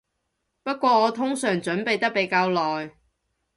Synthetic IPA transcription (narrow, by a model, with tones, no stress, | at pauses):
pɐ˥t̚kʷɔː˧ŋɔː˨˧t̪ʰʊ˥ŋsœː˨˩ŋt͡ʃɵ˨˥npe˨jt̪ɐ˥k̚pe˨˥jkaː˧wlɔː˨j